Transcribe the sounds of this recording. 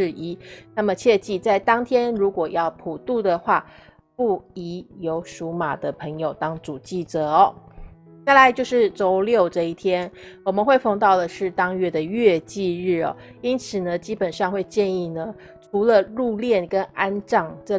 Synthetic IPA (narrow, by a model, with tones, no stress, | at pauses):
ɻ̩˥˧i˥na˥˩mə˩t͡ɕʰjɛ˥˧t͡ɕi˥˧t͡sa˥˩ɪt̪ɑ˥ŋt̪ʰjɛ˥nɻu˧˥kwɔ˨˩jɑ˥˩ʊpʰu˨˩t̪u˥˩d̪ə˩xwa˥˧ | pu˥˩i˧˥jo˧˥ʊʂu˧˥ma̰˨˩d̪ə˦pʰɤ˧˥ŋjo˨˩ʊt̪ɑ˥ŋt͡su˨˩t͡ɕi˥˩ʈ͡ʂɤ˧˩ɔ˨˩˦ | t͡sa˥˩ɪla˧˦ɪt͡ɕjo˥˧ʊʂɻ̩˥˩t͡so˧˥ʊljo˥˧ʊʈ͡ʂɤ˥˧i˥˩t̪ʰjɛ˥nwɔ˨˩mə˨nxwe˥˧ɪfɑ˥˧ŋt̪ɑ˥˩ʊd̪ə˩ʂɻ̩˥˩t̪ɑ˥ŋɥɛ˥d̪ə˨ɥɛ˥˧t͡ɕi˥˧ɻɻ̩˥˩ɔ̰˩ | i˥nt͡sʰɹ̩˨˩nə˦t͡ɕi˥pə˨˩nʂɑ˥˧ŋxwe˥˧ɪt͡ɕjɛ˥˧ni˥˩nə˩ | ʈ͡ʂʰu˧˥lə˧lu˥˧ljɛ˥˩nkə˦na˥nʈ͡ʂɑ˥˩ŋʈ͡ʂɤ˥˧